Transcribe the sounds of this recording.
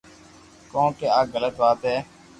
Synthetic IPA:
kõːkeːaːɡələt̪ʋaːt̪ɦɛː

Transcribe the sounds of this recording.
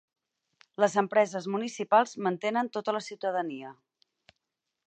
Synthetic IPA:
ləzəmpɾɛzəzmunisipalˠzmənt̪enənt̪ot̪ələsiwt̪əðəniə

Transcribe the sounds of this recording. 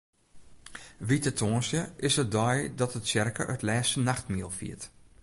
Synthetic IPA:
ʋitətʰoːnsjəɪsət̚dɔjdɔtətsjɛrkə̰ʔœ̰tlɛːstənaxtmiəlˠfḭət

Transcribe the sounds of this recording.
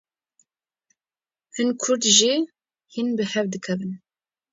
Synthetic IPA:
hɨnkʰʊɾd̪ʒi | hinbɨhɛvd̪ɨkʰɛvɨn

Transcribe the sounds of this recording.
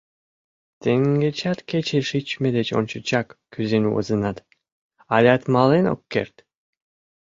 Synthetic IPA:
t̪eŋɡet͡ʃʰat̪ket͡ʃʰeʃit͡ʃmed̪et͡ʃo̰nt͡ʃut͡ʃakkyzenṵwɯ̰zɯnat̪ | alʲat̪malˠeno̰kːḛɾt̪

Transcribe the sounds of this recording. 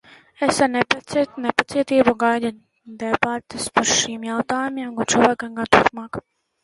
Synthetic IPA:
esaɾnɛptnɛpat̪siɛt̪iːbuɡajd̪a | d̪ɛbat̪ɪspaɾʃimjawt̪aːjumiɛmkat͡ʃɔvaːkamɡat̪uɾpmaːk

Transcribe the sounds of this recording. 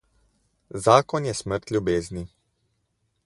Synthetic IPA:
zaːkɔnjɛsməɾt̪lʲjubeːzni

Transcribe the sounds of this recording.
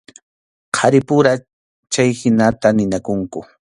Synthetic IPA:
qʰɑɾɪpʊɾa | t͡ʃajhɪnat̪anɪnakʊŋkʊ

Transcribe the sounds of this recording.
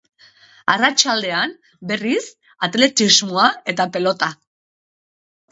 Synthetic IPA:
arat͡ʃald̪e̞an | be̞ris | at̪le̞t̪izmoae̞t̪ape̞lo̞t̪a

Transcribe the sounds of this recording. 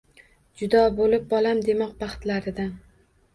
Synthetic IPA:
d͡ʒʊd̪ɒbolɪp̚bɒlamd̪e̞mɒq̚bɑχt̪laɾɪd̪an

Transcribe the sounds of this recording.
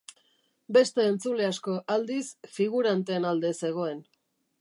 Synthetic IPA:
be̞st̪e̞ːnt͡sule̞asko̞ʔald̪isfiɣ̞uɾant̪e̞ːnald̪e̞se̞ɣ̞o̞e̞n

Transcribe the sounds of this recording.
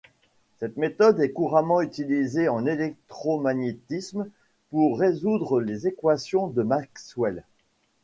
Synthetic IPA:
sɛt̪met̪ɔd̪ɛkuʁamɑ̃yt̪ilizeɑ̃nelɛk̚t̪χɔmaɲet̪ism | puʁːezud̪ʁəlezekwasjɔ̃d̪əmakswɛl

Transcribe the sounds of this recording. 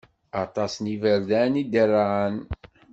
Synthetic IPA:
ɑt̪ˤɑsnivəɾðænid̪ərːaʕən

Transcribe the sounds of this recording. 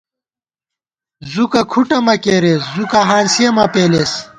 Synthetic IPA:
zukɐkʰuʈɐmɐkeːɾeszukɐɦaːnsijɐmɐpeːles

